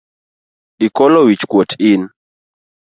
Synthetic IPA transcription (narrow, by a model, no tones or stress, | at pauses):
ɗikɔlɔwit͡ʃkwɔtʰin